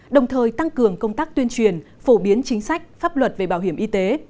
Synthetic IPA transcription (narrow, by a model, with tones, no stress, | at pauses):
ɗə˨˩wŋ͡mt̪ʰəː˨˩jt̪a˧ŋkɨ˨˩əŋkə˧wŋ͡mt̪aː˦˥k̚t̪wənt͡ɕwi˨˩ənfo˧˩ɓi˨˦ənt͡ɕï˨˦ŋ̟sa˦˥jk̟̚faː˦˥p̚lwə˨˩t̚ve˨˩ɓaː˧˩wɦi˧˩əmʔi˧t̪e˨˦